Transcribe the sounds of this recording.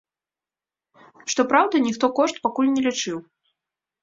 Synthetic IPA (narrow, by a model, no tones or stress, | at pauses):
ʂt̪ɔpɾawd̪ɐnʲixt̪ɔkɔʂt̪pakulʲnʲɛlʲit͡ʂɨw